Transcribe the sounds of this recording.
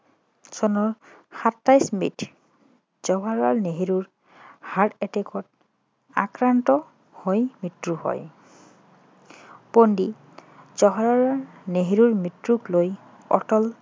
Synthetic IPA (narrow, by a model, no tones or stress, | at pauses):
sɔnɔɹxatːajsmḭtʰ | z̥ɔɦaɹaɹneɦiɹuɹ | haɹtɛtekʰɔt | a̰kɹantɔ | hojmitɹuhɔ̰j | pondi | zɔɦaɹaɹaɹneɦiɹuɹmitɹukloj | ɔ̰tɔl